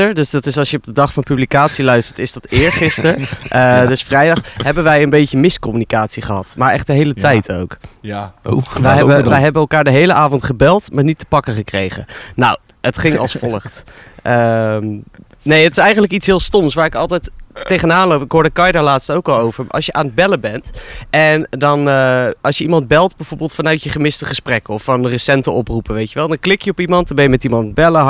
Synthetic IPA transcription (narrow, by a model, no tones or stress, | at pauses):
əɹdɵsdɑtɪsɑlsjəɔb̚dədɑχfɑnpyblikaːtsilœɥstə̥ɹtɪzdɑtɪːɹχɪstəɹʔədɵsfrɛjdɑχɦɛbənʋɛjənbejcəmɪskɔmynikaːtsiχəɦɑtmaːɹɛχdəɦejlətɛjtʰo̰wk | ʋɛjɦɛbəʋɛjɦɛbənɛlˠkaːɹdəɦejləʔaːvɔntχəbɛlˠtmaːɹnitə̥pɑkəχəkrejχə̰naw | ətχɪŋɑ̰lˠsfɔlˠəχtʔə | nejətɪ̥sɛjχənləkitsɦɪːlˠstɔmsʋaːɹɪkɑlˠtɛjtːejχənaːnlowpɪkɦoːɹdəkɑjdaːɹlaːtstowkɑlˠowvəɹɑ̰lˠsjəʔaːnəd̚bɛləbɛntʔɛndɑnɑlˠʃjəimɑnd̚bɛlˠtbɛjv̥oːɹbəlˠtfɑnœɥtjəχəmɪstəχəsprɛkəɔfɑnərəsɛntəɔprupəʋejtjəʋɛlˠdɑnklɪkjəɔpimɑndnbɛjəmɛtimɑntbɛlə